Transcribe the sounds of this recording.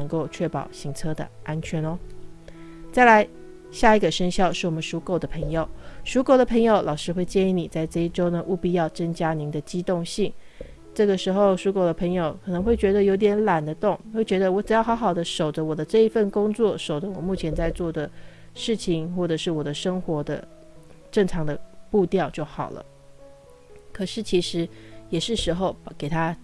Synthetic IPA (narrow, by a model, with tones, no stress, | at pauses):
nə˧˥ŋko˥˧ʊt͡ɕʰɥɛ˥˩pɑ̰˨˩ʊɕi˧˥ŋt͡sʰɤ˥d̪ə̰˨ʔa˥nt͡ɕʰɥɛ˧˥no˦ | t͡sa˥˩ɪla˧˥ɪ | ɕja˥˩i˧˥ɡə˨ʂə˥ŋɕjɑ˥˧ʊʂɻ̩˥˩wɔ˨˩mə˦nʂu˧˥ko˥˩ʊd̪ə˩pʰɤ˧˥ŋjo˨˩ʊʂu˧˥ko˥ʊd̪ə˩pʰɤ˧˥ŋjo˨˧ʊlʔɑ˨ʊʂɻ̩˥xwe˥˧ɪt͡ɕjɛ˥˧ni˧˥˩ni˨˩t͡sa˥˧ɪʈ͡ʂɤ˥˧i˥˩ʈ͡ʂo˥ʊnə˨ʔu˥˩pi˥˧jɑ˥˩ʊʈ͡ʂə˥ŋt͡ɕja˥ni˧˥d̪ə˨t͡ɕi˥t̪ʊ˥˧ŋɕi˥˩ŋ | ʈ͡ʂɤ˥˩ɡə˩ʂɻ̩˧˥xo˥˧ʊʂu˥ko˥˩ʊd̪ə˧˩pʰɤ˧˥ŋjo˨˦ʊkʰɤ˨˩nɤ˧˥ŋxwe˥˩ɪt͡ɕɥɛ˧˥d̪ə˧jo˧˥ʊi˧t̪jɛ˧˥nla˨˩nd̪ə˦t̪ʊ˥˩ŋwe˥˩ɪt͡ɕɥɛ˧˥d̪ə˧wɔ˧˥ʈ͡ʂɻ̩˨˩jɑ˥˩xɑ˧˥xɑ˨˩ʊd̪ə˦ʂo˨˩ʊʈ͡ʂə˦wɔ˨˩d̪ə˦ʈ͡ʂɤ˥˩i˧˥fə˥˩nkʊ˥ŋt͡swɔ˥˩ʂo˨˩ʊʈ͡ʂə˦wɔ˨˩mu˥˩t͡ɕʰjɛ˧˥nt͡sa˥˧ɪt͡swɔ˥˩d̪ə˩ʂɻ̩˥˩t͡ɕʰi˩ŋxwɔ˥˩ʈ͡ʂɤ˨˩ʂɻ̩˥˩wɔ˨˩d̪ə˦ʂɤ˥ŋxwɔ˧˥d̪ə̰˧ | ʈ͡ʂɤ˥˩ŋʈ͡ʂʰɑ˧˥ŋd̪ə˧pu˥˧t̪jɑ˥˧ʊt͡ɕjo˥˩ʊxɑ̰˨˩ʊlə̰˦ | kʰɤ˨˩ʂɻ̩˥˩t͡ɕʰi˧˥ʂɻ̩˧˥jɛ˨˩ʂɻ̩˥˩ʂɻ̩˧˥xo˥˧ʊke˨˩ɪt̪ʰa˥